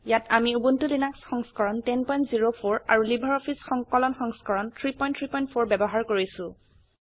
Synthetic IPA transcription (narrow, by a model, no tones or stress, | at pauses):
jatʰamiubuntulinaksxɔŋskɔɹɔntɛnpɔjntziɹopʰoɹa̰ɹulibʱɔɹɔpʰisxɔŋkɔlɔnxɔŋskɔɹɔntʰɹipɔjntʰɹipɔjnt̚pʰoɹbɛbɔɦaɹkoɹisʊ̃